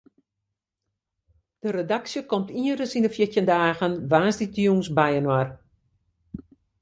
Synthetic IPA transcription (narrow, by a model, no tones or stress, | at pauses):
d̥əɾedaksjəkɔmtiərəsindəfjətjəndaːɣənʋaːnsditjuːnsbɛjənwar